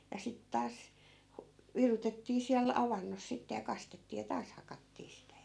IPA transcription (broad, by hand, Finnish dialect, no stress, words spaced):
jɑ sit tɑːs hu ʋirutetːiː siæl ɑʋɑnːos sitːe jɑ kɑstetːiː jɑ tɑːs hɑkɑtːiː sitæ